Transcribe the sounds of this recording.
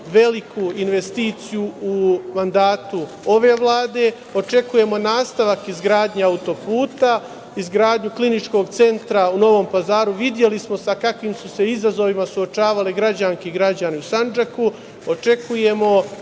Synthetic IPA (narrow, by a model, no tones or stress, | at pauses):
ʋe̞likuinʋe̞st̪iːt̪sijuumand̪aːt̪u | o̞ʋe̞ːʋlˠaːd̪e̞ | o̞t͡ʃe̞kuje̞mo̞naːst̪aʋakizɡɾaːd̪ɲeaut̪o̞puːt̪a | izɡɾaːd̪ɲuklinit͡ʃko̞ːɡt̪se̞nt̪ɾauno̞ʋo̞ːmpazaːɾuʋid̪je̞lismo̞sakakʋimsuse̞izazo̞ʋimasuo̞t͡ʃaːʋaliɡɾad͡ʑaŋkiɡɾad͡ʑaniusand͡ʒaku | ot͡ʃe̞kuje̞mo̞